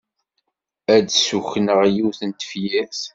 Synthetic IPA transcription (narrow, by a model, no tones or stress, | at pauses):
æd̪suçnəʁjuθənt̪ə̥fjæθ